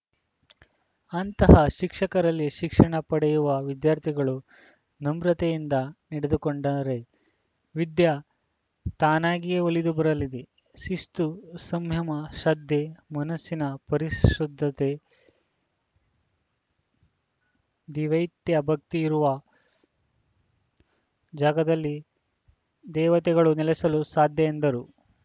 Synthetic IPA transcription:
ɐnt̪ɐɦɐʃikʂɐkɐɾɐlːiʃikʂɐɳɐpɐɽɛjuʋɐʋid̪jaːɾt̪ʰiɡɐɭu | nɐmɾɐt̪ejind̪ɐniɽed̪ukoɳɖɐɾe̞ | ʋid̪jɐ | t̪aːnaːɡijeolid̪ubɐɾɐlid̪e | ʃist̪usɐmjɐmɐʃɐd̪ʱjemɐnɐsːinɐpɐɾiʃud̪ʱːɐt̪e | d̪iʋɐjt̪jɐbʱɐk̚t̪iːɾuʋɐ | d͡ʒaːɡɐd̪ɐlːi | d̪ɛːʋɐt̪ɛɡɐɭunɛlɛsɐlusaːd̪ʱjɐend̪ɐɾu

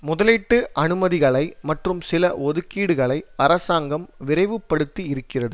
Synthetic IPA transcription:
mʊðɐlɪʈːɯʔɐnɯmɐðɪɣɐɭɐɪmɐʈrɯmsɪlɐʔɔðɯkːiːɽɯɣɐɭɐɪɐɾɐsaːŋɡɐmʋɪrɐɪʋɯpːɐɽɯt̪ːiɪɾɯkːɪrɐðɯ

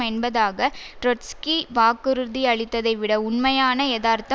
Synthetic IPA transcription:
ɐɪnbɐðaːɣɐɾɔʈskiʋaːkɯɾɯðiɐɭɪt̪ːɐðɐɪʋɪɽɐʊnmɐjaːnɐɛðaːɾt̪ɐ

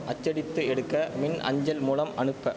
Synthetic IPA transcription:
ʔɐt͡ʃːɐɽɪt̪ːɯɛɽɯkːɐmɪnɐ̰ɲd͡ʒɐlmuːlɐmʔɐɳɯpːɐ

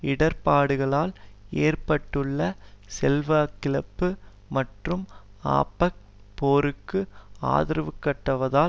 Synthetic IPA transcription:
ɪɽɐɾpaːɽɯɣɐɭaːleːrpɐʈːɯɭːɐsɛlʋaːkɪlɐpːɯ | mɐʈrɯm | a̰ːpːɐk̚ | poːɾɯkːɯa̰ːðɪɾɐʋɯkːɐʈːɐʋɐðaː

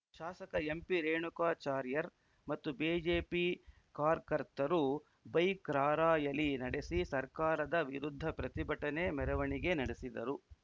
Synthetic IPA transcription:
ʃaːsɐkɐempiɾeːɳukaːt͡ʃaːɾjɐɾ | mɐt̪ːubiːd͡ʒeːpi | kaːɾkɐɾt̪ɐɾu | bɐjkɾaːɾaːjɐlːinɐɽesisɐɾkaːɾɐd̪ɐʋiɾud̪ʱːɐpɾɐt̪ibɐʈɐne̞mɛɾɐʋɐɳiɡe̞nɐɽesid̪ɐ̰ɾu

